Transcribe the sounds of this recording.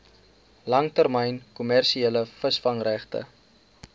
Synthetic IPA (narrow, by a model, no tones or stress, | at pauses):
lɐŋtərməjnkumærʃieləfəsfɐŋræχtə̰